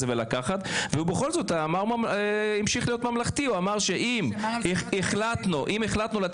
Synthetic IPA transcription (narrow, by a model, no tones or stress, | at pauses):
evelakaχat̪veubeχo̞lzo̞t̪amaʁmaimʃiχlijo̞t̪mamlaχt̪iuamaʁʃe̞ʔimeχlat̪nuʔime̞χlat̪nula